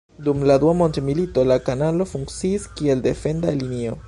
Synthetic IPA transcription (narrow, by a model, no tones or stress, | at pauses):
dumladuamo̞ntemilito̞lakanalo̞fuŋkt͡siːskie̞lde̞fe̞ndalinio̞